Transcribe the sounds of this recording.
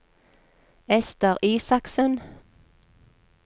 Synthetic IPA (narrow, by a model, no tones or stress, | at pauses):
ɛst̪əʁiːsɑksən